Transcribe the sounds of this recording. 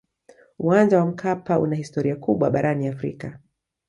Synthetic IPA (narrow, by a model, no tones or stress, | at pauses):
uwand͡ʒawam̩kʰapaṵnahistɔɾiakuɓwaɓaɾʔaniafɾḭka